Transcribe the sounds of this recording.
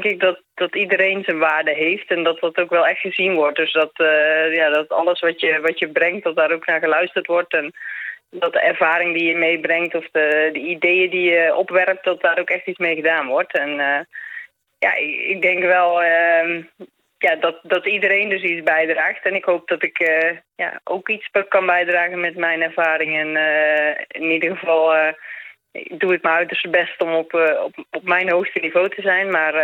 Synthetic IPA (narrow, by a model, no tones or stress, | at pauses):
ŋkɪk̚dɔtdɔtidəɾeːnzənʋaːrdəɦeːftɛndɔt̚dɔtokʋɛlˠɛxtxəzinʋɔrt̚døsdɔtjadɔtɔ̰lˠəsʋɔtjəʋɔtjəbrɛŋkt̚dɔt̚daːɾoknaːɣəlœɥstərtʋɔrtɛndɔt̚dəɛrv̥aːɾɪŋdijəmejbrɛŋtɔfdədəideːədijəʔɔpʋɛrk̚tdɔt̚daːɾokɛxtit͡smejɣədaːnʋɔrtʰɛnə | ja̰ɪ̰k̚dɛŋkʋɛlˠə | jadɔtdɔtidərɾeːndøs̬isbɛjdraːxtɛnɪkhoːp̚d̥ɔtɪkəja̰ʔo̰wkit͡spkɑnbɛjdraːɣənmɛtmɛjnɛrv̥aːɾɪŋɛn | ɪnidərɣəvɑlˠ | duət̚məœɥtərstbɛstɔmpɔpmɛjnɦoːxstənivoːtʰəzɛjnmar